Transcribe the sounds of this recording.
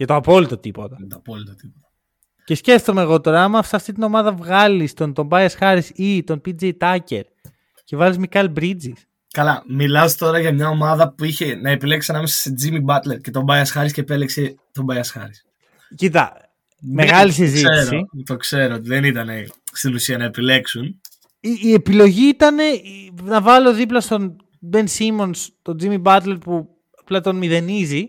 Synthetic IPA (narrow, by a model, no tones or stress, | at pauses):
ʝɐt̪oɐpo̞lit̪o̞t̪ipo̞t̪ɐɐt̪oɐpolit̪ot̪ipot̪ɐ | ce̞sce̞ft̪o̞meɣo̞t̪o̞ɾɐɐmɐft̪ɐft̪it̪ino̞mɐðɐvɣɐlist̪o̞nt̪o̞mbɐjɐsxɐɾisit̪o̞npid͡zejt̪ɐce̞̰ɾ | ce̞vɐlizmikɐlbɾid͡zis | kɐlɐmilɐst̪o̞ɾɐʝɐmɲɐomɐðɐpuiçe̞nɐepileksisɐnɐmesɐ̥sed͡zimibɐt̪le̞ɾcet̪o̞bɐjɐsxɐɾisceːpelekset̪o̞bɐjɐsxɐ̰ɾis | cit̪ɐ̰ | meɣɣɐlis̬iziste̞ɾsoit̪o̞kse̞ɾoot̪iðenit̪ɐne̞ | st̪inusiɐnɐepile̞ksun | iːe̞pilo̞ʝiit̪ɐne̞nɐvɐlo̞ðiplɐst̪o̞n | be̞nsimo̞nst̪o̞d͡zimibɐt̪le̞ɾpu | ɐplɐt̪onmiðe̞nizi